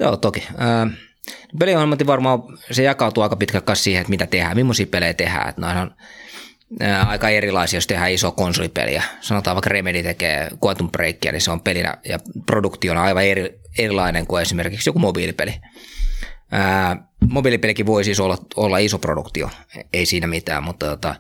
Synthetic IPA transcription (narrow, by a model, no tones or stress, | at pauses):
joːt̪okiəː | nipeliohemɑt̪ːiʋʋɑrmɑːsejɑkɑut̪uɑˑikɑpit̪kælkkɑssiːheet̪mit̪æt̪ehæːmimːosiːpeleit̪ehæ̰ːḛt̪noinon | əːɑikɑerilɑisiɑjost̪ehæːisoɑkonsolipḛlḭæ̰sɑnot̪ɑːʋɑˑikremedit̪ekḛːkuɑt̪umpreikːiæ̰nḭseompelinæ̰jɑ̰produkt̪ionɑiʋɑerierilɑineŋkuesimerkiksjokumobiːlipḛli | əːmobiːlipelikiʋoisisolːɑolːɑisopro̰dṵkt̪io̰eisiːnæmit̪æ̰ːmmut̪ːɑt̪ot̪ɑ̰